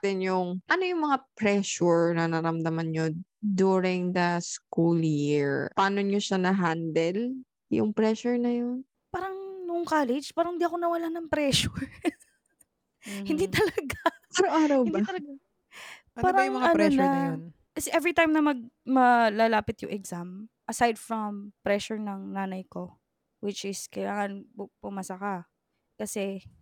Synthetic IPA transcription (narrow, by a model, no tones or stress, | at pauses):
t̪ɪnjʊŋʔɐnojʊŋmɐŋapɾɛʃuɹnɐnɐɾɐmd̪ɐmanɲod̪uːɾɪŋd̪ɐskuljiɹpaːnoɲoʃanɐɦand̪ɛl | jʊ̰ŋpɾɛʃʊɹnɐjon | paːɾɐŋnʊʔŋkaːlɛd͡ʒpaːɾɐŋhɪnd̪iɐko̞nɐwɐlanɐŋpɾɛːʃʊɹ | hɪ̃nd̪it̪ɐlɐɐɡaɐɾoŋaːɾɐwɪnd̪it̪ɐlɐɡ | paːɾɐjʊŋmɐŋaɐnɾɛʃnɐn | kɐsɛʔɛvɹit̪ajmnɐmɐɡ̚mɐlalaːpɪt̪jʊ̰ŋʔɛɡzamʔɐsajd̪fɹɐmpɾɛʃʊɹnɐŋnaːnɐjko | wɪt͡ʃɪskɐjlaːŋɐnppʊmɐsɐka | kɐsɛ